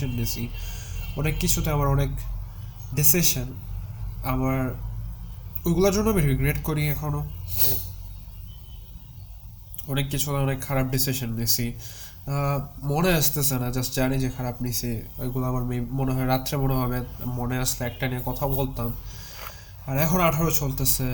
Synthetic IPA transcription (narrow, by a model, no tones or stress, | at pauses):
onːisi | ɔnekːit͡ɕʰut̪eamaɾɔnek | ɖisiʃan | amaɾ | ojɡulaɾd͡ʑonːoamiɾiɡɾeʈkoɾiɛkʰono | ɔnekːit͡ɕʰut̪eɔnekʰːaɾab̚ɖisiʃonːisi | moneaʃt̪esʰenad͡ʑasd͡ʑanid͡ʑekʰaɾabnisʰiojɡulaamaɾmemoneɦɔeɾat̪ːɾemoneɦɔbemoneaʃleɛk̚ʈaniekɔt̪ʰaobolt̪am | aɾɛkʰonoaʈʰaɾot͡ɕolt̪ese